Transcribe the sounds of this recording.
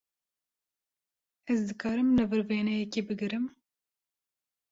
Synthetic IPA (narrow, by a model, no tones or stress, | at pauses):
ɛzd̪ɨkɑːɾɨmlɨvɨɾveːnɛjɛkiːbɨɡɨɾɨm